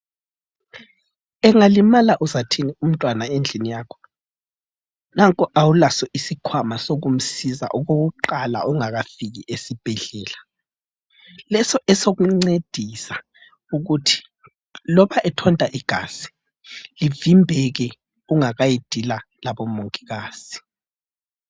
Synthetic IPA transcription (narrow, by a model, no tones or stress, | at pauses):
ɛŋalimalaʔuzatʰinium̩tʼwanaend͡ɮʱinijaːkʰɔ̥ | naŋkʼɔʔawulasɔʔisikʰwamasoɣum̩siza̰ʔɔɣoɣuǃala̰ʔɔŋaɣafiɣiʔesib̥ʱɛɮɛːla | lɛsɔɛsoɣuŋ͡ǀed̥ʱisa | uɣutʰi̥ | lɔβaʔɛtʰɔntʼaʔiɡ̥ʱa̰si̥ | livimbʱɛɣɛ | uŋaɣajid̥ʱila | laβɔmoŋkʼiɣaːsi̥